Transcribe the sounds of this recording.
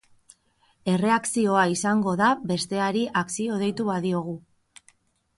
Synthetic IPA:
e̞re̞aksio̞aisaŋɡo̞ðaβe̞st̪e̞aɾiʔaksio̞ð̞e̞jt̪uβaðio̞ɣ̞u

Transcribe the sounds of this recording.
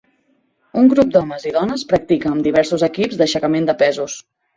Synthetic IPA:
uŋɡɾup̚d̪ɔməziðɔnəspɾək̚t̪ikəːmd̪iβ̞ɛɾsuzəkipzd̪əʃəkəmend̪əpɛzus

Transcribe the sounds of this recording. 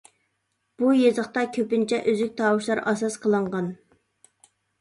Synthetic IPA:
b̥ujezəχt̪ɑkʲʰøpɪnt͡ʃʰɛʔøzyk̚ʲt̪ʰɑwuʃlˠɑɾɑsɑsqʰəlˠəɴʁɑn

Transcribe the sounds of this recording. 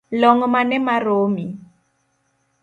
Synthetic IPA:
lɔŋɔmanɛmaroːmi

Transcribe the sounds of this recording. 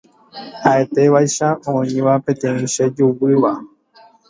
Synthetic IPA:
haʔe̞t̪e̞ʋajʃaõĩʋapẽ̞t̪ẽ̞ĩʃed͡ʒuwɨʋa

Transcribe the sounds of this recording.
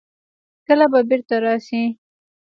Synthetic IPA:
kəlababɪɾt̪aɾɑsi

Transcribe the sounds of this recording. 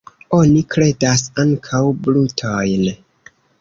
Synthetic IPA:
o̞nikɾe̞dasaŋkʰawblutʰojn

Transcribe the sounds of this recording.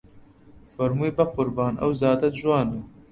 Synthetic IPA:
fɐɾmuːebɐqʊɾbɑːnʔɐ̰wzɑːd̪ɐt̪ʒwɑːnu

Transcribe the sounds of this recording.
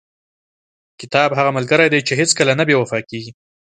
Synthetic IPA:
kɪt̪ɑbɦaɣamalɡəɾajd̪ejt͡ʃeɦɪt͡skəlanabewafɑkeɡi

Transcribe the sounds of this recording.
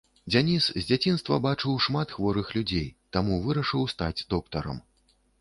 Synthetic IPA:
d͡zʲanʲiszʲd͡zʲat͡sʲinst̪vɐ̰bat͡ʂɨwʂmat̪xvɔɾɨxlʲud͡zʲejt̪amuvɨɾɐʂɨwst̪a̰d͡zʲd̪ɔk̚t̪ɐɾɐ̰m

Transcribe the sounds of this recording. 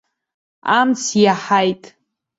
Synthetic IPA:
amt͡sʰjaħajtʼ

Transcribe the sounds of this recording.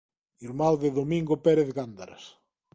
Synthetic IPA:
iɾmawðeðomĩŋɡopeɾeθɣand̪aɾa̰s

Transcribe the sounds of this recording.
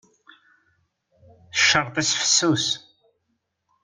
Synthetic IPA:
θəʃːəɾˤt̪ˤisfə̥sːus

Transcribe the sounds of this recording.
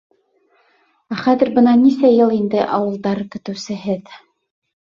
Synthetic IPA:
æχæðɘ̆ɾbɤnɑnisæjɤlˠind̪ɘʔɑwɤ̆lˠd̪ɑɾkɵ̆t̪ɵ̆wsɘ̆ɦɘð

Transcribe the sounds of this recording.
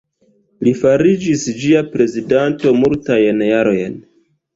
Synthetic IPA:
lifaɾid͡ʒisd͡ʒiapɾe̞zidanto̞multajnjaɾo̞jn

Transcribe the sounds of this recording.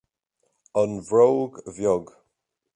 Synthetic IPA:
ənvɹowɡvjɔɡ

